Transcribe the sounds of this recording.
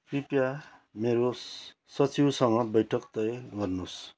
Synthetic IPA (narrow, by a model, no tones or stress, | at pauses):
kripjameɾo | sʌt͡siwsʌŋʌbʌjʈʰʌkt̪ʌeɡʌrnus